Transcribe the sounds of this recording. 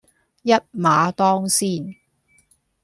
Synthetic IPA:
jɐ˥t̚maː˨˧t̪ɔː˥ŋsiː˥˩n

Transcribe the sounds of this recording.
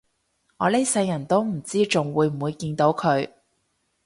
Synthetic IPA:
ŋɔː˨˧le˥sɐ˧jːɐ˨˩nt̪o˥wm̩˨˩t͡siː˥t͡sʊ˨ŋwuː˨˧jm̩˨˩wuː˨˧jkiː˧nt̪o˨˥wkʰɵ˨˧ɥ

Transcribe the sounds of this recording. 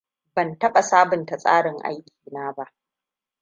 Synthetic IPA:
bɐ˨ntɐ˦ɓa˨saː˦bʊ˨nta˨sʼa̰ː˦ɽɪ˨ŋʔa̰˦jkʲi̥ː˨naː˦ba˦ʔ

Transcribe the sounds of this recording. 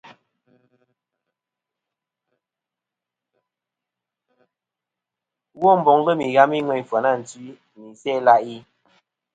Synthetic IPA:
wɔ˦m̩˨bɔ˨ŋlə˦mi˨ɣa˦mi˦ŋwɛ˨ɲfwa˨na˦˨n̩˨tɥi˦ | mi˨sɛ˦˨˦la˦ʔi˦

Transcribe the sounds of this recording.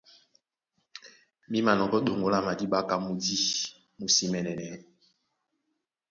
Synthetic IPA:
mi˦ma˨nɔ˨kɔ˦ɗo˨ŋɡo˨la˦˨ma˨di˦ɓa˦ka˦mu˨di˦ | mu˨si˦mɛ˨nɛ˨nɛ˨˦

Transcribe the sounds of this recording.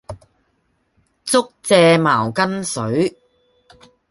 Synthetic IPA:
t͡sʊ˥k̚t͡sɛː˧maː˨˩wkɐ˥nsɵ˨˥ɥ

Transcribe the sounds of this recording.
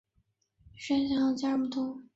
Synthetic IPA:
ʂɛ˥nɕjɑ˥˧˩t͡ɕja˥mu˨˩t̪ʰʊ˧˥ŋ

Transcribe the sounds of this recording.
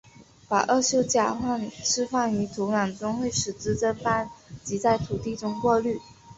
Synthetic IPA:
pa̰˨˩ʔɤ˥˧ɕjo˥˧ʊt͡ɕja˥˩xwa˥˩nʈ͡ʂʰɻ̩˥fa˥˩ny˧˥t̪ʰu˧˥na˨˩nt͡swa˥ŋxwe˥˩ɪʂɻ̩˨˩t͡sɹ̩˥ʈ͡ʂə˥nfa˥˩nt͡ɕi˧˥t͡sa˥˩ɪt̪ʰu˨˩t̪i˥˩ʈ͡ʂʊ˥ŋkwɔ˥˧ly˥˩

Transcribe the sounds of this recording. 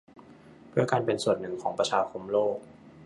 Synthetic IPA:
pʰɯ˥˩əkaː˧npe˧nsu˨˩ənːɯ˨˩ŋkʰɔː˩˦ŋpɾa˧t͡ɕʰaː˧kʰo˧mloː˥˩k̚

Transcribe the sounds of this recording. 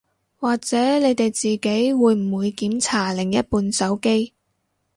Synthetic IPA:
waː˨k̚t͡sɛː˨˥ne˨˧jt̪e˨jt͡siː˨ke˨˥jwuː˨˧jm̩˨˩wuː˨˧jkiː˨˥mt͡sʰaː˨˩lɪ˨˩ŋjɐ˥t̚puː˧nsɐ˨˥wke˥j

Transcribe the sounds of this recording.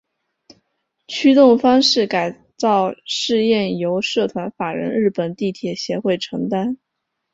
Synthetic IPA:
t͡ɕʰy˥t̪ʊ˥˩ŋfɑ˥ŋʂɻ̩˥˩ka˨˩ɪ | t͡sɑ˥˧ʊʂɻ̩˥˧jɛ˥˩njo˧˥ʊʂɤ˥˩t̪ʰwa˧˥nfa˨˩ɻə̰˧˥nɻɻ̩˥˩pə˨˩nt̪i˥˩t̪ʰjɛ˨˩ɕjɛ˧˥xwe˥˩ɪʈ͡ʂʰɤ˧˥ŋt̪a˥n

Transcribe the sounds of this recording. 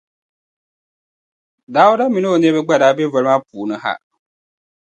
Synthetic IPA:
da˨˦wo˦da˦mĩ˨no˦o˨nĩ˦bɛ˦ɡ͡ba˦˨daː˨˦bɛ˦vɛ˨lma˦pʰuː˨nɨ̃˦ha̰˦˨

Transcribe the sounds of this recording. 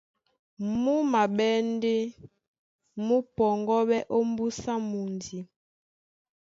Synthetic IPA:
mu˦ma˨ɓɛ˦nde˦ | mu˦pɔ˨ŋɡɔ˦ɓɛ˦ʔo˦m˦bu˦sa˦mu˨ndi˨

